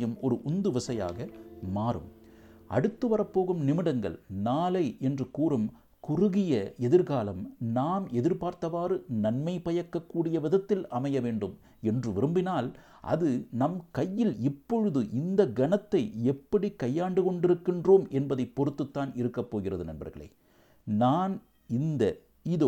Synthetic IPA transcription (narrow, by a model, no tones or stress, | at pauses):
jɐmɔɾɯʔʊnd̪ɯʋɐsɐja̰ːɣɐmaːrɯ̰m | ʔɐ̰ɽɯt̪ːɯʋɐrɐpːoːɣɯmnɪmɪɽɐŋɡɐ̰ɭnaːlɐɪɛndrɯkuːrɯm | kʊrʊɣɪjɐɛðɪɾɣaːlɐmnaːmɛðɪɾpaːɾt̪ɐʋaːrɯnɐnmɐɪpɐjɐkːɐkːuːɽɪjɐʋɪðɐt̪ːɪlɐmɐjɐʋeːɳɖɯm | ɛndrɯʋɪɾɯmbɪnaːl | ʔɐ̰ðɯnɐmkɐjːɪlɪpːɔɻɯðɯʔɪnd̪ɐɡɐnɐt̪ːɐɪɛpːɐɽikɐjːaːɳɖɯkɔɳɖɪɾɯkːɪndroːmɛnbɐðɐɪpːɔɾɯt̪ːɯt̪ːaːnɪɾɯkːɐpːoːɣɪrɐðɯnɐ̰nbɐ̰ɾɣɐ̰ɭɐ̰ɪ | naːn | ɪnd̪ɐ | ɪðo